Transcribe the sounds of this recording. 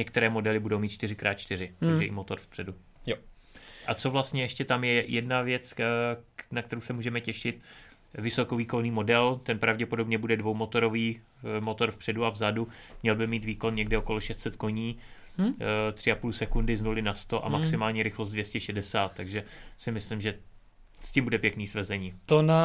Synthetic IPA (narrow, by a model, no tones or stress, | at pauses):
ɲɛkt̪ɛɾɛːmo̞dɛlɪbudo̞wmiːt̪t͡ʃt̪ɪrɪkɾaːt̪̚t͡ʃt̪ɪɾɪt̪aɡʒʒɛɪ̰mot̪o̞ɾfpr̝̥ɛdu | j | ʔat͡so̞vlast̪ɲɛjɛʃcɛt̪amjɛjɛdnavjɛt͡s | nak̚t̪ɛɾowsɛmuːʒɛmɛcɛʃɪt̪ | vɪso̞koviːko̞niːmo̞dɛlt̪ɛnpɾavɟɛpo̞do̞bɲɛbudɛdvowmo̞t̪o̞ɾo̞viː | mot̪o̞ɾfpr̥ɛduavzadu | mɲɛlbɪmiːt̪viːko̞nɲɛɡdɛoko̞loʃɛst̪sɛt̪ko̞ɲiː | t̪r̥ɪapuːlsɛkundɪznulɪnast̪o̞ʔa̰maksɪmaːlɲiɾɪxlos̬t̪dvjɛscɛʃɛdɛsaːt̪ːaɡʒɛsɪmɪslɪmʒɛ | scimbudɛpjɛkniːsvɛzɛɲiːt̪ona